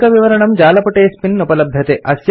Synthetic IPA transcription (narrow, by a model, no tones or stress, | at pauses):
kɐʋiʋɐɾɐɳɐmd͡ʒaːlɐpɐʈeːspinːupɐlɐbʱjɐt̪eʔɐsj